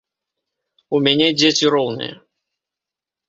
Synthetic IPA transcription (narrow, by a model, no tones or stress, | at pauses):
umʲanʲɛd͡zʲet͡sʲiɾɔwnɨ̰jɛ̰